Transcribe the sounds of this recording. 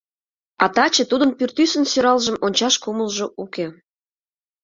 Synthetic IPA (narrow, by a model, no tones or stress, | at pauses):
ɑt̪ɑt͡ɕĕt̪ud̪ənpyrt̪ysənsøɾɑlʒəmonʲt͡ɕɑʃkuməlʒoʔuke